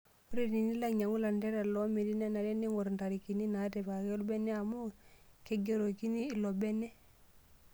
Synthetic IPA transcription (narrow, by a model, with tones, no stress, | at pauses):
u˦ɾe˦ni˨ni˦la˦ɲa˨ŋɡu˦la˨nde˦ɾa˨lo˦me˨di˦ne˦na˨ɾe˦ni˦ŋɡo˨ɾnta˨ɾi˨ki˨ni˦na˨te˨pa˨ke˦lu˦be˦ne˦a˨mo˦ke˦ɡe˦ɾo˨ki˦niː˦˨lo˨be˦ne˦